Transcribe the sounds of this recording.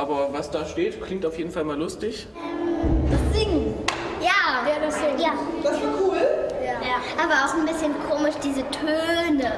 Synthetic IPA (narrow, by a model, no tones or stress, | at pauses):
ʔaːbɐvasd̥aːʃteːtkl̥ɪŋktaʊfjeːdn̩falmaːlʊstɪç | daz̥ɪŋjaːvɛdʊz̥ɪŋjaːd̥asvakʰuːljajaʔaːbɐaʊxnbɪsçənkʰoːmɪʃd̥iːzətʰøːnə